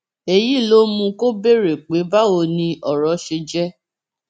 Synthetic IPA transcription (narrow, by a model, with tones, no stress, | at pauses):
e˨ji˦˨lo˦mũ˧ko˦be˦ɾe˨k͡pe˨˦ba˦o˧nĩ˧ʔɔ˨ɾɔ˨˧˦ʃe˧d͡ʒɛ˦